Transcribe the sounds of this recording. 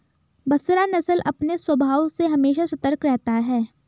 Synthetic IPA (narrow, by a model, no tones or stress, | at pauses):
bɐsɾanɐsəlʔɐpneswɐbʱaːwseɦɐmeːʃasɐt̪əɾkɾɛɦt̪aɦɛː